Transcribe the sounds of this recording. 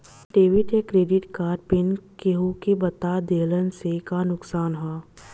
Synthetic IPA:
ɖeːʋɪʈekɾeːɖɪʈkaːɾpɪnkeɦukebɐt̪aːd̪eːlənsekanʊksaːnɦɛː

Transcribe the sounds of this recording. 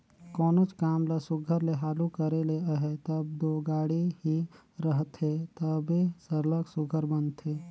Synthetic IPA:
kɔːnot͡ʃkaːmlasʊɡʱəɾleɦaːlukəɾeleəɦet̪əbd̪oɡaːɽiɦi | ɾəɦt̪ɦet̪əbesəɾləksʊɡʱəɾbənt̪ʰe

